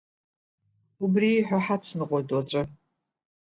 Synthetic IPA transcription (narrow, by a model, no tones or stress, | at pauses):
ʊbriħʷᶣaħat͡sʰnɨqʷʼɔdɔt͡ɕʼɐ